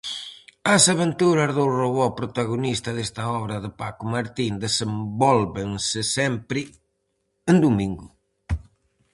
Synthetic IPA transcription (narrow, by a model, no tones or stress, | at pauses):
ɐsaβent̪uɾɐzðowroβɔpɾot̪aɣonist̪ɐðest̪ɐɔβɾɐðɪpakʊmaɾt̪ind̪esembɔlβensɪsɛmpɾɪ | end̪umĩŋɡʊ